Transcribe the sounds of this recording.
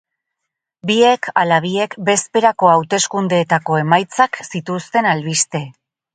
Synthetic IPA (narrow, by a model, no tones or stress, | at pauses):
bie̞kʰalaβ̞ie̞kbe̞spe̞ɾako̞awt̪e̞skund̪e̞ːt̪ako̞e̞majt͡saksit̪ust̪e̞nalβist̪e̞